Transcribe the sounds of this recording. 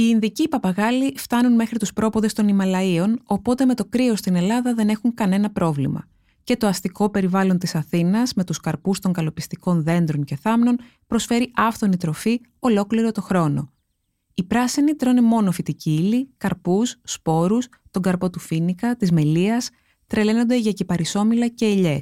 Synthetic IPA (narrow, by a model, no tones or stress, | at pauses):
iːnðicipɐpɐɣɐlift̪ɐnunme̞xɾit̪uspɾo̞poðe̞st̪o̞nimɐlɐio̞no̞po̞t̪e̞me̞t̪o̞kɾio̞st̪ine̞lɐðɐðe̞ne̞xuŋkɐne̞nɐpɾo̞vlḭmɐ̰ | ce̞t̪oɐst̪iko̞pe̞ɾivɐlo̞nt̪isɐθinɐzme̞t̪uskɐɾpust̪o̞ŋkɐlo̞pist̪iko̞nðe̞nd̪ɾo̞nce̞θɐmno̞n | pɾo̞sfe̞ɾiʔɐfθo̞nit̪ɾo̞fi | o̞lo̞kliɾo̞t̪o̞xɾo̞no̞̰ | ipɾɐsinit̪ɾo̞nemo̞no̞fit̪iciːlikɐɾpusːpo̞ɾus | t̪o̞ŋɡɐɾpo̞t̪ufinikɐt̪izme̞liɐs | t̪ɾe̞leno̞nd̪e̞ʝɐcipɐɾiso̞milɐce̞ːʎe̞s